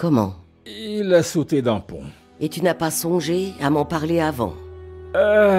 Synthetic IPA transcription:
kɔmɑ̰̃ | ilasot̪ed̪ɑ̃pɔ̰̃ | et̪ynapasɔ̃ʒeamɑ̃paʁleavɑ̰̃a

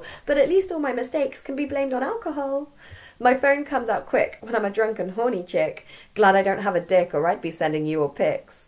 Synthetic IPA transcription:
b̥ʌɾəʔˡliˑstɔːlˠmaɪmɨsteɪkskʰə̃n̩biblẽɪ̃mdn̩alˠkəɦɔlˠ | maɪfõʊ̃nkʰʌ̃mzaʊt̚kʰw̥ɪ̰kwə̃nãɪmədɹʌ̃ŋkə̃nɦɔːnit͡ʃʰɪkɡ̥laɾaɪdõʊ̃nʔ̚ɦəvədɪkəɹaɪt̚b̥isɛ̃ndɪ̃ŋjəəpʰɪks

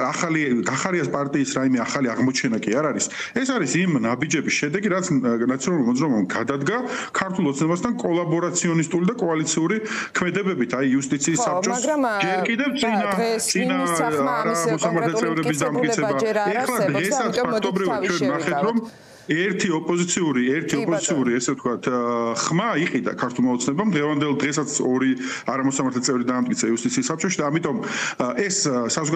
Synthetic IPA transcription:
aχaliɡaχaɾiaspʼaɾt̪ʼiːsɾaimɛaχaliaʁmɔt͡ʃʰɛnakʼiaɾaɾis | ɛsaɾisimnabid͡ʒɛbisʃɛd̪ɛɡiɾat̪sʰnat̪sʰiɔnalulmɔd̪zɾaɔbamɡad̪ad̪ɡakʰaɾt̪ʰulˠɔt̪snɛbast̪ʰankʼɔlˠabɔɾat̪sʰiɔnist̪ʼulid̪akʼɔalit̪sʰiuɾikʰmɛd̪ɛbɛbit̪ʰaiːust̪ʼit̪sʰiːsːap̚t͡ʃʼɔsd͡ʒɛɾkʼid̪ɛvt̪sʼinat̪sʼinaɾamɔsamaɾt̪lɛt̪sʼɛvɾɛbis̬d̪amt̪kʼit̪sʰɛbbaɛχlˠad̪ʁɛsat̪sʰpʰakkʰt̪ʼɔbɾivat̪̚t͡ʃʰwɛnnaχɛt̪ʰɾɔm | ɛɾt̪ʰiɔpʼɔzit̪sʰiuɾiɛɾt̪ʰiɔpʼɔzit̪sʰiuɾiɛsɛvt̪̚ʰkʰat̪ʰχmaiqʼid̪a̰kʰaɾt̪ʰulˠmaɔt̪sʰnɛbamd̪ʁɛvand̪ɛlˠd̪ʁɛs̬at̪sʰɔɾi | aɾamɔsamaɾt̪lɛt̪ʼɛvɾid̪aːmt̪ʼisʰaiust̪ʼit̪sʰiːsːap̚t͡ʃʼɔʃid̪aːmit̪ʼɔmʔɛssazɔɡ

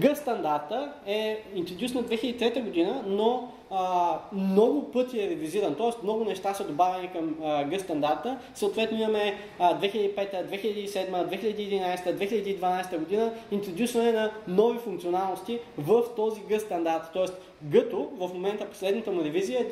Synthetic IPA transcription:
ɡɤst̪ɐnd̪aɾt̪əɛint̪ɾod̪jusnɐd̪vɛxilʲəd̪it̪ɾɛt̪əɡod̪inəno | mnɔɡʊpɤt̪iɛɾɛviziɾənt̪ɔɛst̪mnɔɡʊnɛʃt̪asɐd̪obavʲɛnikəmɡɤst̪ɐnd̪aɾt̪ə | səot̪vɛt̪nʊimɐmɛ | d̪vɛxiləd̪ipɛt̪əd̪vɛxilɐd̪iːsɛd̪məd̪vɛxilʎəd̪iːd̪inajst̪əd̪vɛxiləd̪iːd̪vɐnajst̪əɡod̪inəint̪ɾod̪jusvənɛnɐnɔvifuŋkt̪ionalˠnost̪ivəft̪ɔziɡɤst̪ɐnd̪aɾt̪ːɔɛst̪ | ɡət̪ovəfmomɛnt̪əpo̥slɛd̪nət̪əmuɾɛvizijə

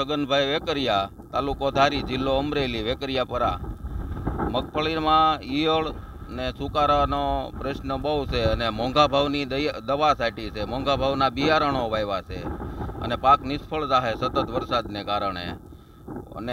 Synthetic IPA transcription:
səɡənbʱajʋekəɾja | t̪alukod̪ʱaɾid͡ʒɪlːoəmɾeliʋekəɾijapəɾa | məkpʰəɭiɾmãijəɭ | nesukaɾanopɾeʃnəbəwsʰeənemɔ̃ŋɡabʱaʋnid̪əʋasajʈit͡ʃʰemɔ̃ŋɡabʱaʋnabijaɾəɳ̃oʋajʋat͡ʃʰḛə̰nepaknɪspʰəɭd͡ʒaɦesət̪ət̪ʋəɾsad̪nekaɾəɳ̃ḛ | ə̰ne

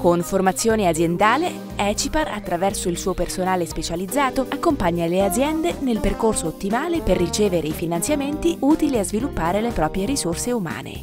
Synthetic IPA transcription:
konformat̪sːjoːnead̪zjend̪aːle | ɛt͡ʃipara̰t̪ːɾavɛrsoilsuːopersonaːlespet͡ʃalid̪zːaːt̪oakːompaɲːalead̪zjɛnd̪enelperkorsoːt̪ːimaːleperːit͡ʃeːveɾeifinant̪sjament̪iʔuːt̪iliazvilupːaːɾelepɾɔːpɾjeɾisorseuma̰ːnḛ

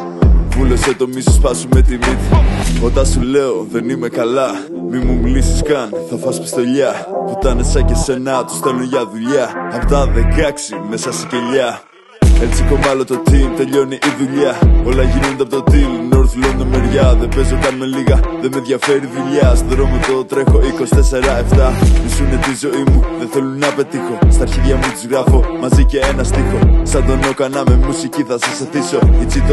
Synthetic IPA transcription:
vulo̞set̪o̞misospɐsumet̪imit̪ot̪ɐsule̞o̞ðe̞nime̞kɐlɐ | mimumlisi̥skɐnθɐfɐspi̥st̪oʎɐput̪ɐnesɐcese̞nɐt̪u̥st̪elunʝɐðuʎɐɐft̪ɐðekɐksime̞sɐsi̥ceʎɐ | e̞t͡sikomɐlot̪ot̪ilt̪e̞ʎo̞niʔiðuʎɐo̞lɐʝino̞nd̪eɐpot̪ot̪ilnoɾθlond̪omeɾʝɐðepe̞zokɐnmeliɣɐðemeðʝɐfe̞ɾiðuʎɐst̪oɾomeðot̪ɾe̞xoikosi̥t̪ese̞ɾɐe̞ft̪ɐvisunet̪izo̞imuðeθe̞lunnɐpe̞t̪ixo̞st̪ɐɾçiðʝɐmut̪izɣɾɐfo̞mɐzice̞enɐst̪ixo̞sɐnd̪oneokɐnɐmemusiciθɐsɐsɐθiso̞it͡sit̪o

